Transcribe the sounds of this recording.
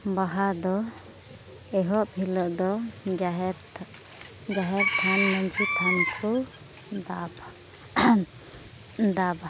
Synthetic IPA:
baɦad̪ɔ | ɛɦɔʔbʰʱilɔʔd̪ɔɦɾ | d͡ʒaɦɛɾt̪ʰanmaɲt͡ʃʰit̪ʰankʰu | d̪ab | d̪aba

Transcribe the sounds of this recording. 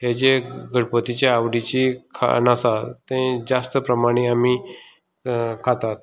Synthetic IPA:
ɦed͡ʑeɡʱəɽpət̪it͡ɕeawɽit͡ɕikʰa̰nasat̪ẽd͡zast̪əpɾəmaɽ̃iami | kʰat̪at̪̚

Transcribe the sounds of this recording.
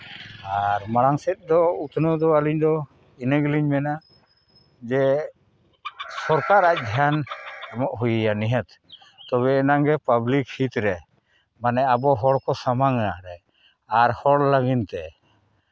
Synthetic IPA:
aɾmaɽaŋsɛt̪̚ˀd̪ɔut̪ʰnəd̪ɔaliɲd̪ɔ | inəɡliɲmɛna | d͡ʒɛ | sɔɾkaɾac̚ˀd̪ʱjanamɔʔɦujəjaniɦət̪ | t̪ɔβɛːnaŋɡɛpablikhit̪ɾɛ | manɛabɔɦɔɽkɔsamaŋaɾɛ | aɾhɔɽlaɡint̪ɛ

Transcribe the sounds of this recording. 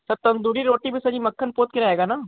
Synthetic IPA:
sɐt̪ɐ̃nd̪uːɾiɾoːʈibʱisɐd͡ʒimɐkʰːənpoːt̪̚kɪɾɐeːɡanaː

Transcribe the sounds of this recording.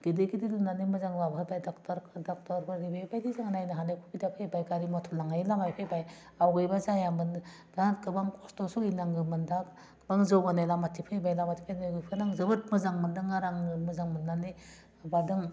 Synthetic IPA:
ɡ̥idɯɡididunanimɯzaŋbababajdɔktɾdɔk̚tɔɾbaɾibebajdizaŋanajnaɦanekʰukidapʰejbajkaɾimɔtʰulaŋajlamajpʰejbaj | awɡɯjbazajambɯn | dakɯbaŋkʰɔstɔsuinaŋɡɯmɯndak | baŋzɯwɡanajlamatʰipʰajbajlamatʰi̥pʰajnɡɯpʰɯnaŋzɯbɯt̚mɯzaŋmɯndɯŋaɾaŋɯmɯzaŋmɯnane | badɯŋ

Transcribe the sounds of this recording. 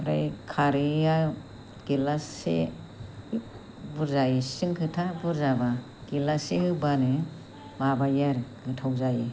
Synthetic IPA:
ɾajkʰaɾia | ɡ̥ilasḛ | buɾzajisiŋkʰɯtʰabuɾzaba | ɡ̥ilasehɯbanɯ | mabajaɾɡɯtʰawzaji

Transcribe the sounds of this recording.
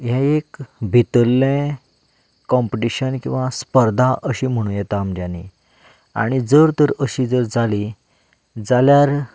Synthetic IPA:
ɦɛ̃ekbʱit̪əlːẽ | kːɔmpiʈiɕənkĩw̃ʋaspəɾd̪ʱaʔəɕiːm̤əɽ̃ũjɛt̪aːmd͡ʑãnːi | a̰ɽ̃id͡zəɾt̪əɾəɕiːd͡zəɾd͡zali | d͡zaljaɾ

